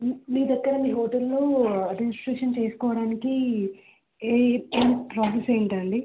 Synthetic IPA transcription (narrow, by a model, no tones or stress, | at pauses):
miːd̪ɐkːɐɾɐmiːɦoːʈɐlːoːɐdmid͡ʒisʈɾeːʂɐnt͡ʃe̞ːsu̥kɔːʋɐɽaːniki | enpɾaːsese̞ːɳʈɐɳɖi